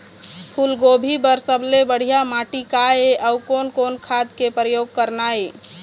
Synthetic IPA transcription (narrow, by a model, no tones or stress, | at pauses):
pʰulɡobʱibəɾsəblebəɽ̤ijamaʈikaeʔəukonkonkʰad̪kepɾəjoɡ̚kəɾnae